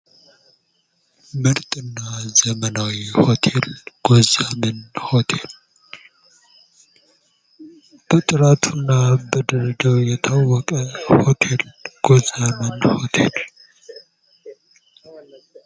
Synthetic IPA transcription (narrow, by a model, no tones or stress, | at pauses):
məɾt̪ʼɨnːazəmənawihot̪ʰelɡ̥ozamɨnho̞t̪ʰe̞l | b̥ət̪ʼɨɾat̪ʰunːabəd̪əɾəd͡ʒawjɛt̪ʰawːɔkʼəhot̪ʰelɡ̥ozamənhot̪ʰḛl